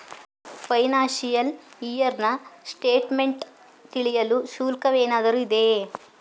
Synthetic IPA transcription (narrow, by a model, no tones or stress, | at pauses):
pɐjnaːʃijɐlijɐɾnɐsʈeːʈme̞ɳʈ | t̪iɭijɐlusuːlkɐʋeːnaːd̪ɐɾuid̪e̞